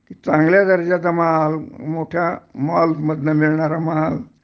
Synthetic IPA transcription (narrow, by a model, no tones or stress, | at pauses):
kiːt͡sãŋɡljad̪əɾd͡ʑat̪amaɦalmoʈʰjamɔlməd̪nəmiɭɳaɾamaɦal